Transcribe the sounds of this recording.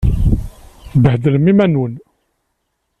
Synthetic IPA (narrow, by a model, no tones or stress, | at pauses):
bəhd̪ələmimænwən